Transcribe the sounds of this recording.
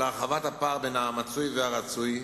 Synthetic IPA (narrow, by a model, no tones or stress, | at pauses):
ʁaχavathapaʁbejnaːmat͡sujveaʁat͡suj